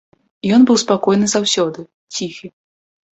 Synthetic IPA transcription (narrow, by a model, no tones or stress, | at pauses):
jɔnbɨwspakɔjnɨzawsʲɔd̪ɨ | t͡sʲixɨ